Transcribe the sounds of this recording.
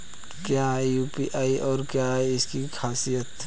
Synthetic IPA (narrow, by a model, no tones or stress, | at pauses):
kjaɦɛjuːpiʔaːiʔɔːɾkjaɦɛɪskikʰaːsijət̪